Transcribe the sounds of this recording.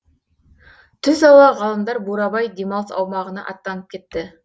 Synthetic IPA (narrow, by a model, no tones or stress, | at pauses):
t̪ʰʏzɑlˠɑʁɑlˠəmd̪ɑɾbuɾɑbɑjd̪emɑlˠsɑ̰wmɑʁənɑ̰ʔɑ̰t̪ːɑnəp̚kʲʰe̞t̪ːɪ